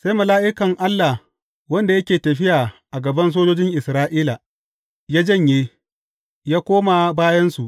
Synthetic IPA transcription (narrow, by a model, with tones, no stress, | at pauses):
sa˦jmɐ˨laː˦ʔɪ˦kɐ˨ŋʔa˦lːa˨h | wɐ˦nda˨jɐ˦kʲeː˨tɐ˨ɸɪ˦jaː˨ʔa˨ɡɐ˨bɐ˦ns̬oː˦d͡ʒoː˦d͡ʒɪ˦ŋʔɪ˨sɾaː˦ʔiː˦la˨ | jaː˦d͡ʒɐ˦˨ɲjeː˦ | jaː˦kʷoː˦ma˨baː˦jɐ˦nsu˨ʔ